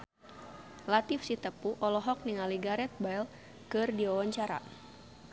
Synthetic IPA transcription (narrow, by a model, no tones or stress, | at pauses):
lat̪ifsit̪əpuʔɔlɔɦɔk̚niŋaliɡaɾɛt̪̚bajl | kɨrdiawaɲt͡ʃaɾa̰